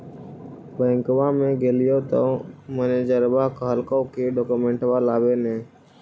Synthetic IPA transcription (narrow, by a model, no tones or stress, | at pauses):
bəːŋkʋaːmẽːɡeːlɪjoːt̪oməneːd͡ʒəɾbaːkɦəlkõkiɖoːkumẽːɳʈʋaːlaːbeːnẽː